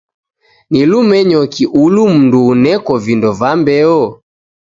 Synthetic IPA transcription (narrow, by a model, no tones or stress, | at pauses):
nilumɛɲɔkiʔulum̩nduːnɛkɔvindɔvambɛɔ